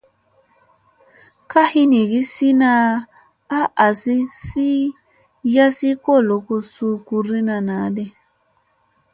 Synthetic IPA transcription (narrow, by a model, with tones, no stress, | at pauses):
ka˦hi˦ni˨ɡi˦si˦na˦˧ | a˦ʔa˨si˦si˦ | ja˦si˦ko˦˨lo˨˦ko˧su˦ku˧ɾi˦na˧na˨˦de˦